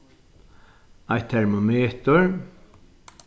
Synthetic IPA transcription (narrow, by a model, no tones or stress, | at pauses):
ajt̪ʰːɛɹmomeːt̪ʊɹ